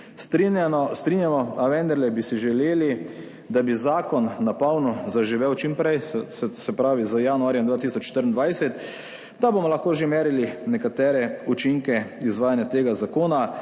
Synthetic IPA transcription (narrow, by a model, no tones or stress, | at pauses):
st̪ɾinjanɔst̪ɾinjamɔaʋɛnd̪əɾlɛbisiʒɛleːli | d̪abizaːkɔnːapawnɔzaʒiʋewt͡ʃimpɾɛjssɛpɾaːʋizajanuaːɾjɛmd̪ʋaːt̪isɔt͡ʃːʃt̪əɾnd̪ʋajsɛt̪ | d̪abomɔlaxkoːʒemeːɾilinɛkat̪ɛːɾɛut͡ʃiŋkɛizʋaːjanjat̪eːɡazakoːna